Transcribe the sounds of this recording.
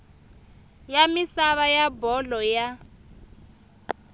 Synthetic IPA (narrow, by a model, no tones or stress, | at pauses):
jamisaβajabɔlɔja